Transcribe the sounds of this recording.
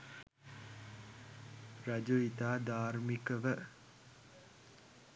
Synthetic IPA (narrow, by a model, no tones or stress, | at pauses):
ɾad͡ʒoit̪aːd̪aːɾmikəʋə